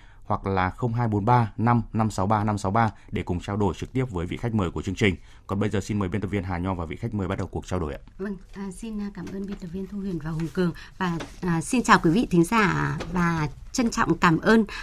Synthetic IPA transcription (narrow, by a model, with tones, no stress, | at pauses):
hwa˨˩k̚laː˨˩xə˧wŋ͡mɦaː˧jɓo˨˦nɓaː˧na˧mna˧msa˨˦wɓaː˧na˧msa˨˦wɓaː˧ | ɗe˧˩kʊ˨˩ŋ͡mt͡ɕaː˧wɗo˧˩jt͡ɕɨ˨k̚t̪i˦˥əp̚vəː˨˦jvḭ˧˨xa˦˥k̟̚məː˨˩jku˧˩ət͡ɕɨ˧əŋt͡ɕï˨˩ŋ̟ | kɔ˨˩nɓə˧jzəː˨˩si˧nməː˨˦ɓe˧nt̪ə˨˩vənɦaː˨˩ɲɔ˧vaː˨˩vḭ˧˨xa˦˥k̚məː˨˩jɓa˦˥t̚ɗə˨˩wku˨˩ək̚t͡ɕaː˧wɗo˧˩jʔa̰ː˧˦və˧ŋː˨˩si˧n˧kaː˧˩mʔəː˧nɓi˧nt̪ə˨˩vi˧ənt̪ʰu˧hwi˧˩ənvaː˨˩whʊ˨˩ŋ͡mkɨ˨˩əŋvaː˨˩˨si˧nt͡ɕaː˨˩wkwi˨˦vḭ˧˨t̪ʰï˨˦ŋ̟zaː˧˩vaː˨˩t͡ɕə˧ŋt͡ɕɔ̰˧˨wŋ͡mkaː˧˩mʔəː˧n